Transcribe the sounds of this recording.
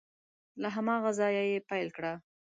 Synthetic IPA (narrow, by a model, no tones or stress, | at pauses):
laɦamɑɣazɑjajepajlkɽa